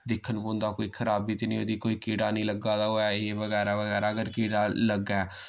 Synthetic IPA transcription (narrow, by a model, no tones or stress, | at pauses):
d̪ɪkʰːənbõːnd̪aːkoːiːkʰəɾaːbiːt̪enĩːoːd̪iːkoːiːkeːɽaːnĩːləɡaːd̪aːɦoːɛːɪeʋəɡɛːɾaːʋəɣɛːɾaːəɡəɾkeːɽaːləɡɛː